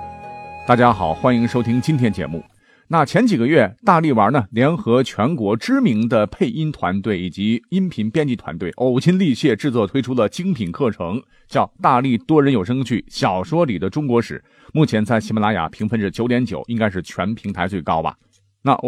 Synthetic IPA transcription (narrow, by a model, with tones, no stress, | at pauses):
t̪a˥˩t͡ɕja˥xɑ˨˩ʊxwa˥ni˧˥ŋʂo˥ʊt̪ʰi˥ŋt͡ɕi˥nt̪ʰjɛ˥nt͡ɕjɛ̰˧˥mṵ˥˩ | na˥˩t͡ɕʰjɛ˧˥nt͡ɕi˨˩ɡə˦ɥɛ˥˩t̪a˥˧li˥˩wə˞˧˥nə˨ljɛ˧˥nxɤ˧˥t͡ɕʰɥɛ˧˥nkwɔ˧˥ʈ͡ʂɻ̩˥mi˧˥ŋd̪ə˧pʰe˥˩ɪʔi˥nt̪ʰwa̰˧˥nt̪we˥˩ɪi˨˩t͡ɕi˧˥i˥npʰi˧˥npjɛ˥nt͡ɕi˥˩t̪ʰwa̰˧˥nt̪we˥˩ɪʔo˨˩ʊt͡ɕʰi˥nli˥˧ɕjɛ˥˧ʈ͡ʂɻ̩˥˧t͡swɔ˥˩t̪ʰwe˥ɪʈ͡ʂʰu˥lə˨t͡ɕi˥ŋpʰi˨˩nkʰɤ˥˩ʈ͡ʂʰɤ˧˥ŋ | t͡ɕjɑ˥˧ʊt̪a˥˧li˥˩t̪wɔ˥ɻə˧˥njo˨˩ʊʂɤ˥ŋt͡ɕʰy˥˩ɕjɑ˨˩ʊʂwɔ˥li˨˩d̪ə˦ʈ͡ʂʊ˥ŋkwɔ˧˥ʂɻ̩˨˩˦ | mu˥˩t͡ɕʰjɛ˧˥nt͡sa˥˩ɪɕi˧˥ma˧˥la˧˥ja̰˨˩pʰi˧˥ŋfə˥˧nʈ͡ʂə˩t͡ɕjo˧˥ʊt̪jɛ˧˥nt͡ɕjo˨˩˦ʊʔi˥ŋka˥ɪʂɻ̩˥˩t͡ɕʰɥɛ˧˥npʰi˧˥ŋt̪ʰa˧˥ɪt͡swe˥˩ɪkɑ˥ʊbɐ̰˨ | na̰˥˩